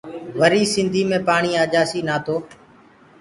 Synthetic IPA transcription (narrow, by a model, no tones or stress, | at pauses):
ʋəɾiːsɪ̃nd̪ʱiːmẽːpaːɳiːaːd͡ʒaːsiːnaːt̪ʰoː